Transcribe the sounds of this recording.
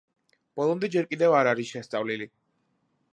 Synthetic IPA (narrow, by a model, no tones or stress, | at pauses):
b̥ɔlˠɔmd̪ɛd͡ʒɛɾkʼid̪ɛvaɾaɾisʃɛst̪sʼavlili